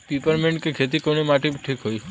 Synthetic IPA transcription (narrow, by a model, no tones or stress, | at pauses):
pipəɾmeɳʈkekʰet̪̬ikonimaʈebiʈʰikɦoj